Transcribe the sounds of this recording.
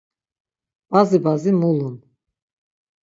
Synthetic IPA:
b̥azibazimulun

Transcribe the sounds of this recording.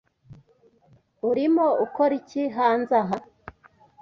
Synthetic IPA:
uɾimoʔukoɾiciɦaːnzaɦa

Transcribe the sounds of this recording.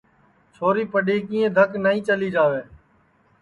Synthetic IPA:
t͡ʃʰoːɾiːpəɗiːkĩːẽːd̪ʱəknaːĩːt͡ʃəliːd͡ʒaːʋeː

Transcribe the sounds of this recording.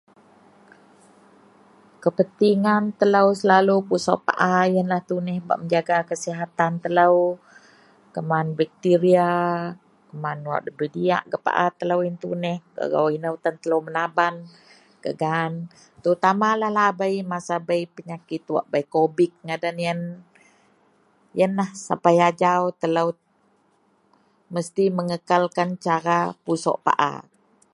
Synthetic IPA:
kəpənt̪iŋant̪ələwsəlalupusaʔpa̰ʔajənlaht̪unɛhba̰ʔməɲd͡ʒaɡakəsiɦat̪ant̪ələw | kəmanbɛk̚t̪iɾia | kəmanwa̰ʔdəbədia̰ʔɡəpa̰ʔat̪ələwint̪unɛhkə̰ɡa̰winəwt̪ənt̪ələwmənaban | kə̰ɡaːn | t̪əut̪amalahlaːbajmasabaipəɲakɪt̪wa̰ʔbajkobɪk̚ŋadanijən | jənlahsa̰pajad͡ʒawt̪ələw | məst̪iməŋəkalkant͡ʃaɾapusɔ̰ʔpa̰ʔa̰

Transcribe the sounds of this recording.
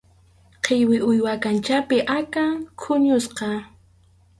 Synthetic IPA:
qʰejwɪʊjwakant͡ʃapɪʔakakʰʊɲʊsqɑ

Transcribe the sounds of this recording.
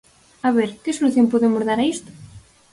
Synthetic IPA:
aβeɾkesoluθjompoðemozðaɾaist̪o̥

